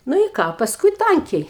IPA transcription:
ˈnʊ ɪ ˈkɑː pɐsˈkʊɪ ˈtɐŋʲkʲɛɪ

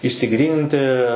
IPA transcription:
ɪʃʲsʲɪˈɡrʲiːnʲɪnʲtʲɪ

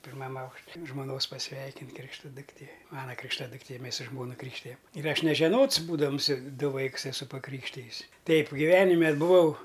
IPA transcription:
pʲɪrˈmɐm ˈɐʊkʃʲ ʒmoːˈnoːs pɐˈsʲʋʲɛɪkʲɪnʲtʲ ˈkrʲɪkʃtɐ dʊkˈtʲeː ˈmɑːnɐ krʲɪkʃˈtɑːdʊktʲeː ˈmʲeːs sʊ ˈʒmoːnɐ ˈkrʲiːkʃʲtʲɪjɛm ɪr ˈɐʃ nʲɛʒʲɛˈnoːts ˈbuːdɐms ˈdʊ ˈʋɐɪks ɛˈsʊ pɐˈkrʲiːkʃʲtʲɪjɪs ˈtʲɛɪp ɡʲɪˈʋʲæːnʲɪmʲɛ bʊˈʋɐʊ

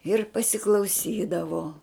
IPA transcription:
ɪr pɐsʲɪklˠɐʊˈsʲiːdɐʋoː

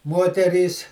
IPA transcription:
ˈmoːtʲɛrʲiːs

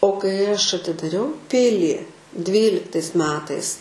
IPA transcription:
oː kɐɪ ˈɐʃ ɐtʲɪdɐˈrʲɛʊ ˈpʲɪlʲiː ˈdʲʋʲiːlʲɪktɐɪs ˈmʲæːtɐɪs

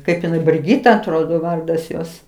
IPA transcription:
ˈkɐɪp ɪˈnɐɪ bʲrʲɪˈɡʲiːtɐ ɐtˈroːdoː ˈʋɐrdɐs ˈjoːs

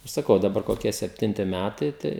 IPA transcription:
ɪr sɐˈkɐʊ dɐˈbɐr koːˈkʲiɛ sʲɛpʲˈtʲɪnʲtʲɪ ˈmʲætɐɪ ˈtɐɪ

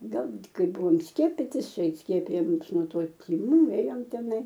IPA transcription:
ˈɡɐlˠ ˈkɐɪ ˈbʊʋoːm ˈsʲkʲiɛpʲɪtʲɪs ˈt͡ʃʲɛ ˈsʲkʲiɛpʲɪjoː ˈmʊs nuɔ ˈtoː tʲɪˈmuː ˈeːjoːm tʲɛˈnɐɪ

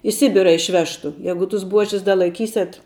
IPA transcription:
ɪ ˈsʲɪbʲɪrɐ ɪʃʲˈʋʲæːʃtʊ ˈjæːɡʊ tʊs ˈbuɔʒʲɪs dɐ lˠɐɪˈkʲiːsʲɛt

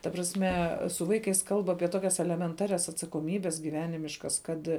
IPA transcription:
tɐ prɐsʲˈmʲɛ sʊ ˈʋɐɪkɐɪs kɐlˠp ˈɑːpʲiɛ ˈtoːkʲɛs ɛlʲɛmʲɛnˈtɑːrʲɛs ɐtsɐkoːˈmʲiːbʲɛs ɡʲiːˈʋʲæːnʲɪmʲɪʃkɐs ˈkɐt

